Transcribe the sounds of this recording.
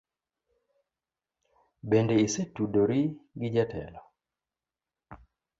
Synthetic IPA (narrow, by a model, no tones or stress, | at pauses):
bendeisitudoɾiɡɪd͡ʒatɛ̰lɔ